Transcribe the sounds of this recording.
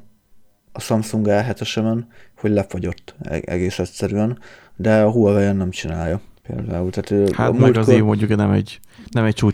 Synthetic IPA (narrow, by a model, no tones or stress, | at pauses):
ɒsɒmsuŋɡɛlɦɛt̪ɛʃɛbɛnho̞ɟlɛfoɟo̞t̪ːɛ̰ɡeːsɛt̪sɛɾyɛnd̪ɛɒɦuɛvɛjɛnːɛmt͡ʃinaːjɒpḛːld̪a̰ːult̪aːt̪ha̰t̪mmuɛlɡɒziːvmoɲɟuknɛmɛ̰ɟ | nɛmɛct͡ʃuː